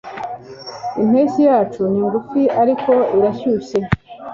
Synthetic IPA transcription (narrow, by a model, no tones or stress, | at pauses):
im̥heːsijaːt͡ʃuniŋɡufiaɾiko̞iɾaçuːɕe